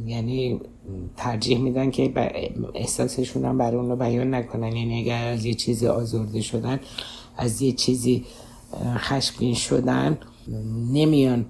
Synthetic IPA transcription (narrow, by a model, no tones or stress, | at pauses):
jæniː | t̪ʰæɾd͡ʒiːhmiːd̪æncʰeb̰ḛhsɒːse̞ʃuːnæmbæɾɒjuːnɒːbæjɒːnːækʰonænjæniæɡæɾæzjet͡ʃʰiːziʔɒːzoɾd̪eʃo̞d̪æn | æzjet͡ʃʰiːzi | xæʃɡiːnʃo̰d̪ænː | e̞mijɒːn